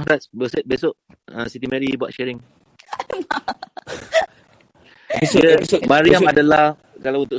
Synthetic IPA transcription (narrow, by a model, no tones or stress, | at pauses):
dat̪sbəsɛt̪̚besoʔ | ə̰̃sit̪̬imɛɾibua̰t̪̚ʃɛɾɪŋ | besoəmaɾiamadalah | kalawunt̪ʊʔ